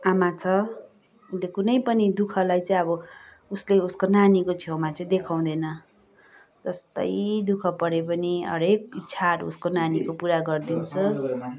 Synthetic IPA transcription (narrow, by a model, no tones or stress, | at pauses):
amat͡sʰʌ | unlekunʌjpʌnid̪ukʰʌlajt͡sʌĩʌbʌ | usleuskonanikot͡sʰjomat͡sʌĩd̪ekʰaw̃d̪ʌnʌ | d͡zʌst̪ʌ̰jd̪ukʰʌpʌɾepʌniʌ̰ɾek̚itt͡sʰaɾṵskonanikopuɾaɡʌrd̪int͡sʰʌ